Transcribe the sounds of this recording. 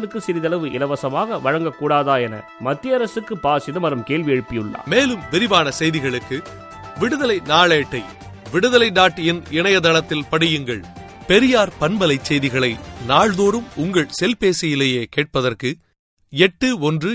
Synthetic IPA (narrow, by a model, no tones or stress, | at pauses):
nɯkːɯsɪɾɪðɐlɐʋɯʔɪ̰lɐʋɐsɐmaːɣɐʋɐɻɐŋɡɐkːuːɽaːðaːɛnɐ̰ | mɐt̪ːɪjɐɾɐsɯkːɯpaːsɪðɐmɐɾɐmkeːlʋɪjɛɻɯpːɪjɯɭːa̰ːmeːlɯmʋɪɾɪʋaːnɐsɛjðɪɣɐɭɯkːɯ | ʋɪɽɯðɐlɐɪnaːɭeːʈːɐɪ | ʋɪɽɯðɐlɐɪd̪aːʈːjɪnɪɳɐjɐd̪ɐlɐt̪ːɪlpɐɽɪjɯŋɡɐɭ | pɛɾɪjaːɾpɐnbɐlɐɪt͡ʃːɛjðɪɣɐɭɐɪnaːɭðoːɾɯmʊŋɡɐɭsɛlpeːsɪjɪleːjeːkeːʈ̚pɐðɐrkɯ | ɛʈːɯɔndrɯ